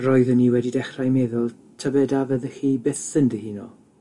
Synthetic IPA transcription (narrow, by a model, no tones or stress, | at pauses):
roːɨðəniːwɛdidɛχrajmeðʊlˠ | tʰəbɛdavəðəxiːbɪθsəndəhinɔ̰